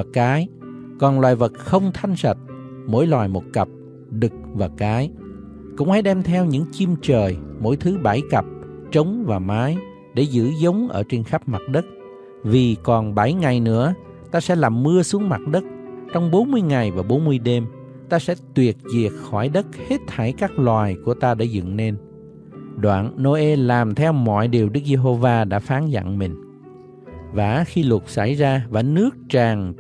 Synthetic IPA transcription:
kaː˨˦j | kɔ˨˩nlwaː˨˩jvə˨˩t̚xə˧wŋ͡mt̪ʰa˧jŋ̟sə˨˩t̚ | mo̰˧˥jlwaː˨˩jmo˨˩t̚kə˨˩p̚ | ɗɨ˨˩k̚vaː˨˩kaː˨˦j | kʊ̰˧˥ŋ͡mha˧˥jɗɛ˧mt̪ʰɛ˧wɲɨ̰˧˥ŋt͡ɕi˧mt͡ɕəː˨˩jmo̰˧˥jt̪ʰɨ˨˦ɓa˧˩jkə˨˩p̚t͡ɕə˨˦wŋ͡mvaː˨˩maː˨˦j | ɗe˧˩zɨ̰˧˥zə˨˦wŋ͡mʔə̰ː˧˩t͡ɕe˧nxa˦˥p̚ma˨˩t̚ɗə˦˥t̚ | vi˨˩kɔ˨˩nɓa˧˩jŋa˨˩jnɨ̰˧˥ə | t̪aː˧sɛ̰˧˥laː˨˩mːɨ˧əsu˨˦əŋma˨˩t̚ɗə˦˥t̚t͡ɕɔ˧wŋ͡mɓo˨˦nmɨ˧əjŋa˨˩jvaː˨˩ɓo˨˦nmɨ˧əjɗe˧m | t̪aː˧sɛ̰˧˥t̪wi˨˩ət̚zi˨˩ək̚xɔ˧˩jɗə˦˥t̚he˦˥t̚t̪ʰa˧˩jkaː˦˥k̚lwaː˨˩jku˧˩ət̪aː˧ɗa̰ː˧˩zɨ̰˧˨ŋne˧n | ɗwa̰ː˧˨nno˧ʔe˧laː˨˩mt̪ʰɛ˧wmɔ̰˧˨jɗi˨˩əwɗɨ˦˥k̚ze˧ɦo˧vaː˧ɗa̰ː˧˥faː˨˦nza̰˧˨ŋmï˨˩ŋ̟ | vaː˨˩xi˧lʊ˨˩t̚sa˧˩jzaː˧vaː˨˩nɨ˦˥ək̚t͡ɕaː˨˩ŋ

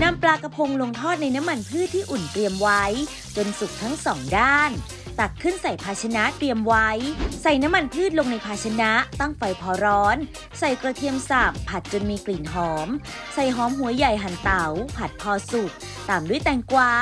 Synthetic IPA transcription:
na˧mplaː˧ka˧pʰo˧ŋlo˧ŋt̪ʰɔː˥˩t̪̚na˧jna˦˥mːa˧npʰɯː˥˩t̪ʰːiː˥˩ʔu˨˩nt̪ɾi˧əmwa˦˥j | t͡ɕo˧nsu˨˩k̚t̪ʰa˦˥ŋsɔː˩˦ŋdaː˥˩n | t̪a˨˩kkʰːɯ˥˩nsa˨˩jpʰaː˧t͡ɕʰa˧na˦˥ʔt̪ɾi˧əmwa˦˥jsa˨˩jna˦˥mːa˧npʰɯː˥˩t̪̚lo˧ŋna˧jpʰaː˧t͡ɕʰa˧na˦˥t̪a˥˩ŋfa˧jpʰɔː˧ɾɔː˦˥n | sa˨˩jkɾa˧t̪ʰi˧əmsa˨˩pʰːa˨˩t̪̚t͡ɕo˧nmiː˧kli˨˩˦nɦɔː˩˦m | sa˨˩jɦɔː˨˦mɦu˩˦ɐja˨˩jɦa˨˩nt̪a˨˩˦wpʰa˨˩t̪̚pʰɔː˧su˨˩k̚ | t̪aː˨˩mdu˥˩ə˨jt̪ɛː˧˩ŋkwaː˧

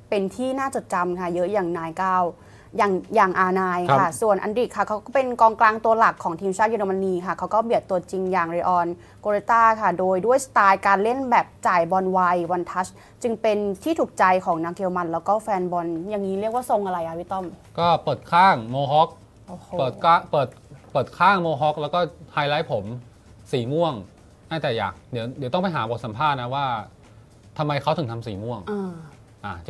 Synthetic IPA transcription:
pe˧nt̪ʰiː˥˩naː˥˩t͡ɕo˨˩t̪̚t͡ɕa˧mkʰa˥˩jɤ˦˥ʔjaː˨˩ŋnaː˧˥jkaː˥˩w | jaː˨˩ŋjaː˨˩ŋʔaː˧naː˧jkʰa˥˩su˨˩ənʔa̰˧ndi˨˩kʰːa˥˩kʰa˦˥wkɔː˥˩pe˧nkɔː˧ŋklaː˧ŋt̪u˧ɐla˨˩kʰːɔː˩˦ŋt̪ʰiː˧mt͡ɕʰaː˥˩t̪̚u˧ɾʰa˧ma˧niː˧kʰa˥˩kʰa˦˥wkɔː˥˩bi˨˩ət̪ːu˧ɐt͡ɕi˧ŋjaː˨˩ŋɾi˧ʔɔː˧n | koː˧ɾe˦˥t̪aː˥˩kʰa˥˩doː˧jdu˥˩əjsḁ˧t̪aː˧jkaː˧nle˥˩nbɛː˨˩p̚t͡ɕaː˨˩jbɔ˧nwa˧jwa˧nt̪ʰa˦˥s | t͡ɕɯ˧ŋpe˧nt̪ʰiː˥˩t̪ʰuː˨˩k̚t͡ɕa˧jkʰɔː˩˦ŋnaː˧˥ŋki˧wma˧nlɛː˦˥wkɔː˥˩fɛː˧nbɔ˧nja˨˩ŋːiː˦˥ɾi˥˩ək̚waː˥˩so˧ŋʔa˧ɾa˧jʔa˨˧˩wi˦˥t̪ɔ˥˩mkɔː˥˩pɤː˨˩t̪̚kʰaː˥˩ŋmoː˧ɦɔ˦˥k̚ | ɤː˨˩t̪ka˥˩pɤː˨˩t̪̚pɤː˨˩t̪̚kʰaː˥˩ŋmoː˧ɦɔ˦˥k̚lɛː˦˥wkɔː˥˩haː˧jla˦˥jpʰo˩˦m | siː˨˩mu˥˩əŋ | naː˥˩t̪ɛː˨˩ja̰ː˨˩k̚di˩˦əwd̪i˨˩˦t̪ɔ˥ŋpa˧jɦaː˩˦bɔː˨˩t̪̚sa˩˦mpʰaː˥˩t̪̚na˦˥waː˥˩ | t̪ʰa˧mːa˧jkʰa˦˥wt̪ʰɯ˨˩˦t̪ʰa˧msiː˨˩mu˥˩əŋʔaː˧˩ | ʔa˨˩˧

